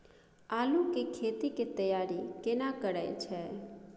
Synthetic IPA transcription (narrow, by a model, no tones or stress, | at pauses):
alũkekʰet̪iket̪əjaɾikenakəɾajt͡ʃʰe